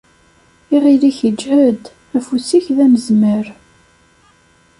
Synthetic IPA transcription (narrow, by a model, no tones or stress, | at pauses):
iʁiliçəd͡ʒːʕəd̪ | æfusiçðæməzməɾ